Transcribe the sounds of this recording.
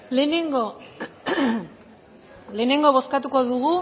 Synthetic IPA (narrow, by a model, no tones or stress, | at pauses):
le̞ne̞ŋɡo | le̞ːne̞ŋɡo̞β̞o̞skat̪uko̞ðuɣ̞u